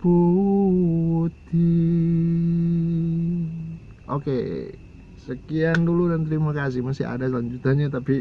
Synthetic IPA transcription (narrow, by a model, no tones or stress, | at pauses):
b̥u | t̪i | ʔoke | səkianduludant̪ɾimakas̬ɪhmasia̰dasəlaɲd͡ʒut̪anɲat̪api